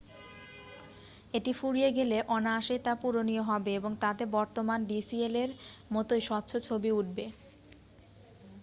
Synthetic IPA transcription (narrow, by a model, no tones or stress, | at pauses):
eʈifuɾijeɡeleʔɔnaaʃejt̪apuɾonijoɦɔbeeboŋt̪ad̪ebɔɾt̪omanɖisieleɾmɔt̪ojʃɔt̪ːɕʰot͡ɕʰobiuʈ̚be